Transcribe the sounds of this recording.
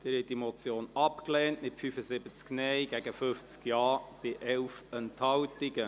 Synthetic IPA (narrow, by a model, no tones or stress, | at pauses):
d̥ɪːɾhɛt̚dimɔt͡sjoːnɑpklɛːntmɪtfyfəzɪbət͡sknɛɪɡɛɡəfʏft͡skjɑːb̥ɪʔɛlfənthɑwtɪɡə